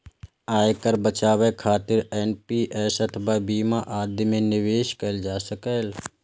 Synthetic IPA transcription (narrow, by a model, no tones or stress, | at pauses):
aːjkəɾbət͡ʃaːwekʰaːt̪ɪɾɛːnpiːʔɛːsɐt̪ʰəbʱabiːmaʔaːd̪ʱmẽnɪʋeːʃkəld͡ʒaːsəkəl